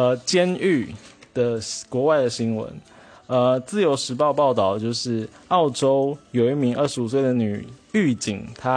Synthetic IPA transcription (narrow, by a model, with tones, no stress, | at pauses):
ə˧˩t͡ɕjɛ˥ny˥˩d̪̥ə˩kwɔ˧˥wa˥˩ɪd̪ə˩ɕi˥ŋwə̰˧˦nə˧t͡sɹ̩˥˩jo˧˥ʊʂɻ̩˧˥pɑ˥˧ʊpɑ˥˧ʊt̪ɑ˥˩ʊt͡ɕjo˥˧ʊʂɻ̩˥˩ɑ˥˩ʊʈ͡ʂo˥ʊjo˨˩ʊi˥˩mi˧˥ŋə˥˩ʂɻ̩˧˥u˨˩swe˥˩ɪə˩ny̰˨˩y˥˩t͡ɕi˨˩ŋt̪ʰa˦